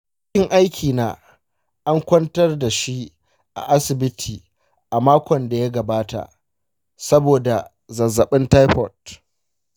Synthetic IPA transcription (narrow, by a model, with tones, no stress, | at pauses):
kɪ˦ŋʔa˦jkʲʰiː˨naː˦ | ʔa˦ŋkʷɐ˦ntɐ˦rda˨ʃi˦ | ʔa̰˨ʔa˦sɪ˨bɪ˦tʰiː˨ | ʔa˨maː˦kʷɔ˨nda˨ja˦ɡɐ˨baː˦ta̰˨ | sɐ˦boː˨da˨ | zɐ˨zːɐ˨ɓɪ˦nta˦jɸɔ˨t̚